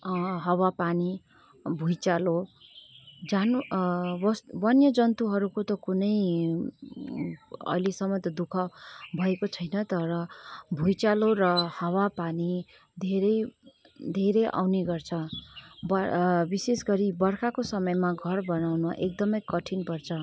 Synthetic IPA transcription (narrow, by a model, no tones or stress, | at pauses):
ɦʌwapani | bʱujt͡salo | d͡zanubʌsbʌnjʌd͡zʌnt̪uɦʌɾukot̪ʌkunʌj | ʌ̰lisʌmːʌt̪ʌd̪ukʰʌbʱʌekot͡sʰʌjnʌt̪ʌɾʌbʱujt͡salorʌhʌwapani | d̪ʱeɾʌj | d̪ʱeɾʌjʔa̰wneɡʌrt͡sʰʌbʌbisesɡʌɾibʌrkʰakosʌmʌjmaɡʱʌrbʌnawnuʔek̚d̪ʌmʌjkʌʈʰinpʌrt͡sʰʌ